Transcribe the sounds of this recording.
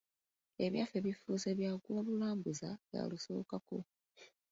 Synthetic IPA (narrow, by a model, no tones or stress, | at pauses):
e̞βjaːfeβifuzeβjaːɡwoβulaːmbuzaβja̰luso̞̰ːkako̞̰